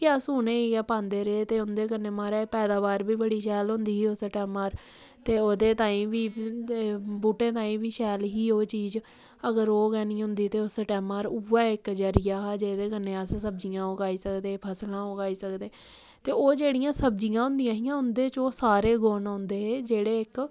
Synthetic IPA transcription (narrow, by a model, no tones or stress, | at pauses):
kɪəsɦʊːnẽːiɛːpãːnd̪eːɾeet̪eːʊnd̪eːk̬əneːmaːɾɛːpɛːd̪aːbaːɾbiːbəɽiːʃɛːlɦʊ̃nd̪iːiːoːsəʈɛːmaːɾ | t̪eːoːd̪eːt̪aːĩːʋiː | buːʈẽːt̪̬aːĩːʋiːʃɛːlɦiːoːt͡ʃiːz | əɡəɾoːɡɛːnĩːɦʊ̃nd̪iːt̪eːoːsəʈɛːmaːɾuːaːɪkd͡ʒəɾɪjaːɦd͡ʒeːd̪eːkənːeːəssəb̚d͡ʒijãːʊɡaːiːsəkd̪eːpʰəslãːʊkaːiːsəkd̪eː | t̪eːoːd͡ʒeːɽijãːsəbd͡ʒijãːɦʊ̃nd̪ijãːɦijãːɦʊnd̪eːt͡ʃoːsaːɾeːɡoːnːʊ̃nd̪eːeːd͡ʒeːɽeːɪk